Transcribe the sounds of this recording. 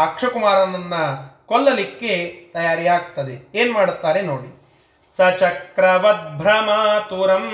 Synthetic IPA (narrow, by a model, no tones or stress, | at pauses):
aːkʂɐkumaːɾɐnɐnːɐkɔɭːɐlikːet̪ɐjaːɾijaːɡt̪ɐd̪eeːnmaːɽut̪ːaːɾenoːɽi | sɐt͡ʃɐkɾɐʋɐt̪̚bʱɾɐmɐt̪uːɾɐm